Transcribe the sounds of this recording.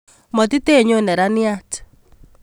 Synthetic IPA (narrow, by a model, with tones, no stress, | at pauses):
mɔ˨ti˦te˦˨ɲo˦˨nɛ˨ɾa˦ni˦a˦t͡ʃɛ̥˨